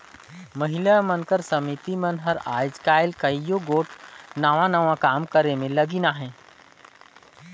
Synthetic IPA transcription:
məɦɪlamənkəɾsəmit̪imənɦəɾa̰ːjd͡ʒkaːɪlkɐijoɡoːʈnaʋãnəʋãkaːmkəɾemẽləɡinaɦɛ̃ː

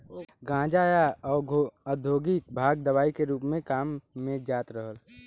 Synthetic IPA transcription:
ɡãːd͡ʒaːjaɔːəd̪ʱoːɡik̚bʱaːɡ̚d̪əwaːikeɾuːpmẽkaːmːẽd͡ʒaːt̪ɾəɦəl

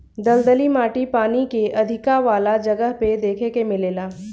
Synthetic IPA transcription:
d̪ɐld̪əlimaːʈipaːnikeʔɐd̪ʱɪkaʋaːlad͡ʒɐɡəɦped̪eːkʰekemɪleːlaː

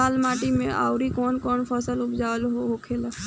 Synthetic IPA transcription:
aːlmaʈimẽa̰wɾikonkɔːɳpʰəsəlʊpd͡ʒaʋəlɦɦokʰel

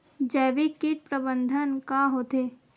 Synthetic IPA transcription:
d͡ʒɛːʋikiʈ̚pɾəbə̃nd̪ʱənkaɦoːt̪eː

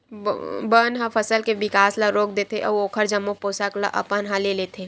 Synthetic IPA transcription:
bənɦãfʰəsəlkeʋɪkaːslaɾoːk̚d̪eːt̪eʔɔːoːkʰəɾd͡ʒɐmːõpoːsakla̰ʔɐ̰pənɦãleleːt̪ʰeː

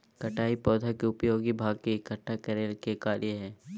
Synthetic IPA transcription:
kɐʈaːipɔːd̪ʱakeʊpjoːɡibʱaːɡ̚kekɐʈʰːakɛɾeːlkekaːɾʔijəɦɛː

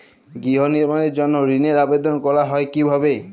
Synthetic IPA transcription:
ɡiɦɔniɹmaned͡ʒɔnɔɹineɹabed̪ɔnkɔɹaɦɔjkibʱaβe

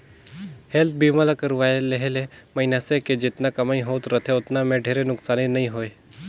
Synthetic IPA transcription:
helt̪̚ʰbimalakəɾʋaeleɦelemɐinaseked͡ʒɪt̪nakɐmaːĩɦoːt̪ɾət̪ʰeʊt̪namẽɖʱeːɾenʊksaːninɐĩɦoːe

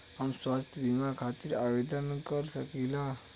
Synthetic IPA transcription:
ɦəmswast̪ʰjbimakʰat̪iɾabed̪ənkəɾsəkila

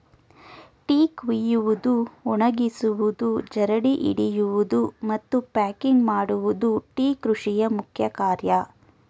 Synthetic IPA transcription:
ʈiːkʋijuʋud̪uuɳɐɡisuʋud̪ud͡ʒɐɾɐɽiʔḭɽijuʋud̪umɐt̪ːupaːkiŋɡmaːɽuʋud̪uʈiːkɾuʂijɐmukʰjɐkaːɾjɐ

